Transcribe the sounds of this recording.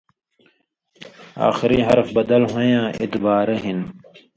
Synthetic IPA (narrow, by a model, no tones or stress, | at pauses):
a̰ːxɪɾiːɦɐɾfbɐd̪əlɦojãːʔɪt̪baːɾəɦɪn